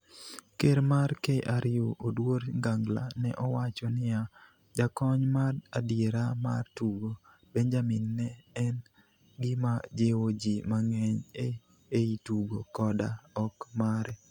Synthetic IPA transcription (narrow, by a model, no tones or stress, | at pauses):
keɾmaɾkeʔaɾɪjoʔodwoɾŋɡaŋɡla̰nɛʔɔwat͡ʃɔnɪa | d͡ʒakɔɲmadadjeɾama̰rtuɡo | bɛnd͡ʒamɪnːɛɛn | ɡɪmad͡ʒewod͡ʒimaŋɛɲe | eituɡokɔdaɔkmaɾɛ